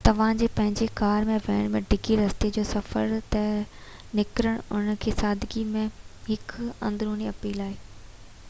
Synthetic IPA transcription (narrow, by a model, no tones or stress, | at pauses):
t̪ɐʋ̤ãd͡ʑeːpɐ̃ɦɪ̃ɲd͡ʑekaːɾmẽʋɐəɽ̃mẽɖɪɡiɾɐst̪ed͡ʑoːsɐfə̰ɾt̪ɛ | nɪkɾəɽ̃ʊnəkʰeːsaːd̪ʱɡimẽɦɪkɐ̰̃nd̪ɾuːniɐpiːlaːɦeː